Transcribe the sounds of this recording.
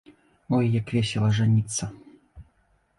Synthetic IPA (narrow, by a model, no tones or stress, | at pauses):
ɔjjakvʲesʲɛlˠɐʐanʲit̪sːɐ